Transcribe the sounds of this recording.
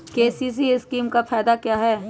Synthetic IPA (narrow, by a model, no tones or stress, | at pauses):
keːsiːs̬iɪskiːmkapʰɛːd̪akjaːɦɛː